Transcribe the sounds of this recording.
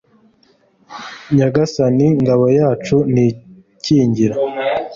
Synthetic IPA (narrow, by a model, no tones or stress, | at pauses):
ɲaɡasaniŋɡaβojaːt͡ʃuni | ciːɲɟiɾa